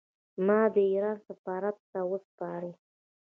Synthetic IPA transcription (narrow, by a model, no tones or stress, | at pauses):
mɑd̪əiɾɑnsafɑɾat̪ːawəspɑɾə